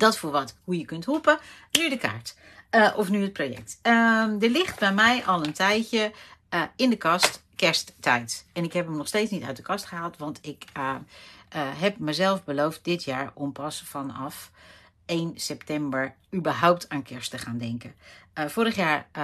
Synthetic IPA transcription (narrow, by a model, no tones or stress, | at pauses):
d̥ɔtfuːɹʋɔthujəkɵnthupə | nydəka̰ːɹt | ʔɔfnyət̚projɛ̰k̚tədəɹlɪχt̚bɛjmɛjʔɔlˠəntʰɛjjə | ɪndəkɑstkɛɹstːɛjtɛnɪkɦɛpəmnɔxsteːtt͡snitœ̰ɥt̚dəkʰɑstχəɦaːlˠtʋɑntʰɪk | ɦɛp̚məzɛlˠfbəlowft̚dɪtʰjaːɹɔmpʰɑsfɔnɑf | ejnsɛp̚tɛmbəɹ | ybəɹɦawp̚tʰaːnkʰɛɹstəχaːndɛŋkəfoːɾəχjaːɹ